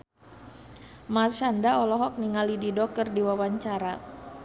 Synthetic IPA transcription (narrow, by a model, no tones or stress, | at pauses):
marʃandaɔlɔɦɔk̚niŋalididɔk̚ərdiwawaɲt͡ʃaɾa